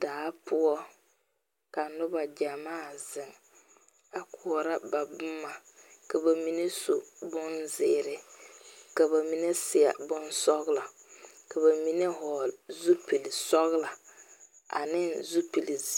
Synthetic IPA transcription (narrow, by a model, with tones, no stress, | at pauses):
d̥aː˨˦pʊ˦ɔ˦ | ka˨nʊ˦ba˨d͡ʒa˨maː˦˨zɪ˨ŋ | a˨kʰu˨ɔ˨ɾa˦ba˨bʊ˦mːa˨ | ka˨ba˨mi˦ne˦su˨bʊ˦nzɪː˦˨ɾɪ˨ | ka˨ba˨mi˨ne˦sɪ˨a̰˨bʊ˦nsɔ˦ɣla˨ | ka˨βa˨mi˦ne˦ɦɔ˨lzu˦pi˨lsɔ˦ɣla˨ | ʔa̰˨nɪ˦nzu˦pi˨li˨˦